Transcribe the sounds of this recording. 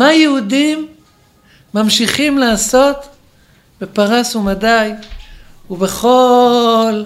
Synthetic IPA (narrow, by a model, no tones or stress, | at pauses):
majeudimː | amʃiχimlaːso̞t̪ | be̞paʁasumadaj | uveχo̞ | l